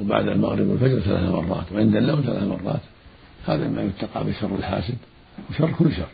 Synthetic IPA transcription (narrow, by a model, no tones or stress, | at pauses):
ba̰ʕd̪alma̰ɣɾɪbɪ̰lfad͡ʒɾˤɑθala̰ːθmɑ̰rˤːɑ̰ːt̪wʕɪnd̪alːaːmθala̰ːθmɑrˤːɑ̰ːt̪ | haːðamajʊt̪ːɑqɑ̰ʕbɪʃɑrˤːɪlħaːsɪd̪ | wɪʃɑrˤːkʊlːʃɑrˤː